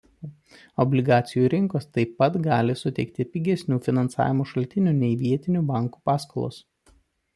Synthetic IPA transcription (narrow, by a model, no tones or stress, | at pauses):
ɔbʲlʲɪɡɑːt̪sʲɪjuːɾʲɪŋkoːst̪ɐɪpːɐt̪ɡɑːlʲɪsʊt̪ʲɛɪk̚t̪ʲɪpʲɪɡʲɛsʲnʲuːfʲɪnɐnsɑ̰ːʋʲɪmoːʃɐlʲt̪ʲɪnʲuːnʲɛɪʋʲiɛt̪ʲɪnʲuːbɑˑŋkuːpɑːskolˠo̰ːs